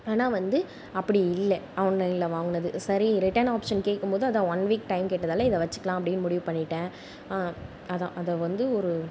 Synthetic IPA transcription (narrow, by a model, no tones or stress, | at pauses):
aːnaːʋɐnd̪ɯ | ɐpːɐɽiɪlːɛɐʋɐnlɐɪɪlɐʋaːŋɡɯnɐðɯsɐɾiɾɪʈːɐnaːpʂɐnkeːʈkːɯmpoːðɯɐðãːɐnʋiːk̚ʈɐɪmkeːʈːɐðaːlɐɪðɐʋɐt͡ʃːɯ̥kːɐlãːɐp̬ːɐɽɪnmʊɽɪʋɯpɐɳːɪʈːẽː | ɐðã̰ːʔɐðɐʋɐnd̪ɯɔɾɯ